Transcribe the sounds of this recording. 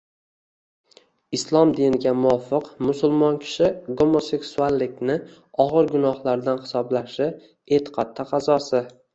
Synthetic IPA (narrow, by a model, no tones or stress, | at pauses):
ɪslˠɒmd̪ɪnɪɡʲamʊwɒfɨqmʊsʊlˠmɒnkʲʰɪ̥ʃɪɡo̞mo̞se̞ksualːɪkʲnɪ | ɒʁɨɾɡʊnɒhlaɾd̪anχɪ̥sɒblaʃɪ | e̞t̪ʰɪ̥qʰat̪ʰːaqʰɑzɒsɪ